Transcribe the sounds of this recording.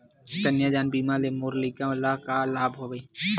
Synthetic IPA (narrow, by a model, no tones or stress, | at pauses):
t̪ənjaːd͡ʒaːnbiːmalemoːɾliɡaəlakalaːbɦoːɡəi